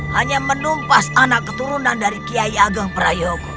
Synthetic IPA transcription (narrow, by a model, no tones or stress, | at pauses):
haɲamənumpasanakːət̪uɾunandaɾikiaiaɡaŋpəɾajɔk